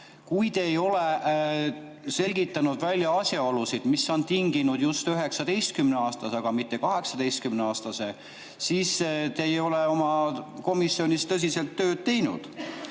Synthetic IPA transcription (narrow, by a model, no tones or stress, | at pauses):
kujt̪eːjo̞le | se̞lʲɡit̪ːˑɑnud̪vælʲjɑɑsʲjɑo̞lusid̪̥misːo̞nt̪iŋɡinud̪̥just̪yɦe̞ksɑd̪e̞jst̪̚kymneɑːst̪ɑsɑɡ̥ɑmit̪ːˑe̞kɑɦe̞ksɑd̪ejst̪kymneɑːst̪ɑse̞ | siːst̪ejo̞leo̞mɑko̞misːio̞nʲist̪ɤs̬ʲise̞lt̪ːø̞ːd̪̚t̪ːe̞jnṵd̪̥